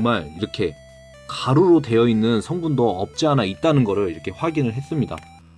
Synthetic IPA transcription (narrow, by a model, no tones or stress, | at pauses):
oŋmaɭiɾʌkʰe̞ | kaɾuɾote̞jʌinːɯnsʰʌŋbundoʌp̚t͡ɕ͈iɦanait̚t͈anɯnɡʌɾɯɭiɾʌkʰe̞ɸwaɡinɯɭɦe̞s͈ɯmɲida̰